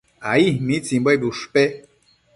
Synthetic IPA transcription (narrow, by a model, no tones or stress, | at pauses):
aimĩt͡sĩbajbuʂpe